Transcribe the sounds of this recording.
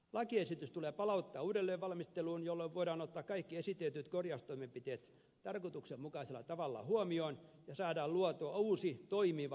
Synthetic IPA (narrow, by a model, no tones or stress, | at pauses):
lɑkiesit̪yst̪uleːpɑlɑut̪ːɑːuːdelːeːʋʋɑlmist̪eluːnjolːoʋʋoiɾɑːnot̪ːɑːkkɑikːiesit̪et̪yt̪korjɑst̪oimempit̪eːt̪ | t̪ɑrkot̪uksemmukɑiselːˑɑ̰t̪ɑʋɑlːɑ̰huomioːnjɑsɑːdɑːlluɑt̪oɑuːsit̪oimiʋɑ